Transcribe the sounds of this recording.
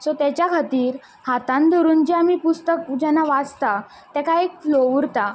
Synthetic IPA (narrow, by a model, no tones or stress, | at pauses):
sɔt̪ɛt͡ɕjakʰət̪iːɾ | hat̪ãnd̪ɔɾuːnd͡ʑiamipust̪əkd͡ʑɛnːaʋat͡st̪a | t̪ɛkaekflouɾt̪a